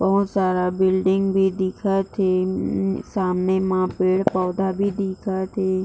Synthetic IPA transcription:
bəɦʊt̪saːɾabɪlɖɪŋɡbʱid̪ɪkʰat̪ʰeː | saːmnemãpeːɽpɔːd̪abʱid̪ɪːkʰaːt̪ʰeː

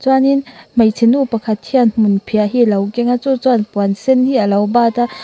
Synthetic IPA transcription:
t͡swaninmɐjt͡sʰinupɐkʰɐt̪hianmunpʰiaɦilɐwkɛŋat͡sut͡swanpuansɛnhiʔəlɐwbaːt̪a

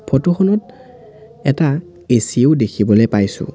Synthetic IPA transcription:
pʰɔtoxɔnɔt | ɛta | esieʊdekʰibɔlojpajsʊ̰̃

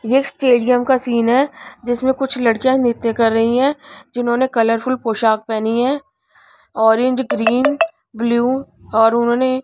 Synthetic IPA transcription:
eːksʈeːɖɡəmkasiːnɦɛːd͡ʒɪsmẽkʊt͡ʃʰlɐɽkijãnɪt̪ːekɐɾːɐɦiɦɛ̃ːd͡ʒɪnɦõːnekɐləɾfʊlpoːʃaːk̚pɛːniɦɛ̃ː | ɔːɾẽɲd͡ʒɡɾiːn | bljuː | ɔːɾʊnɦõːne

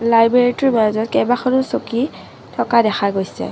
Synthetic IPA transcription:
lajbɹeɹitɔɹmazɔt̚kɛjbaxʰɔnʊsoki | tʰɔkadɛxaɡojsɛ̰

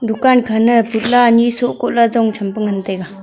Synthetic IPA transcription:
d̪ukankʰanɯput̚laɲisoʔkoʔlazɔŋt͡ʃʰəmpəŋənt̪eka

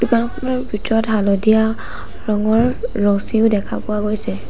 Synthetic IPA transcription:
d̥ukanɔxɔmɔlɔbʱitɔɹɔtɦalɔdija | ɹɔŋɔɹːɔsiʊdɛkʰa̰pʊaɡojsɛ

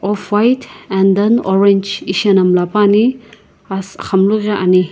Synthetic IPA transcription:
ɔpʰwajtʰɛndɐnɔɾend͡ʒisɐnɐmlapani | askʰɐmluɡaʔani

